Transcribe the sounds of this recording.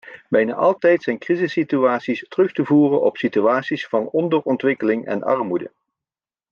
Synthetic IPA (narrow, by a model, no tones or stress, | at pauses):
bɛjna̰ːʔɑlˠtɛjtsɛjnkrizɪsityaːtsistərɵχtəvuːrənɔ̰psityaːtsisfɑnɔndərɔntʋɪkəlɪŋɛ̰nʔɑ̰ɹmudə̰